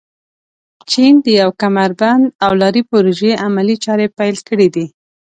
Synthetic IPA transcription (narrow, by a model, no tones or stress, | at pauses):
t͡ʃind̪əjawkamaɾband̪awlɑɾipoɾoʒeʔamalit͡ʃɑɾepajlkəɽid̪i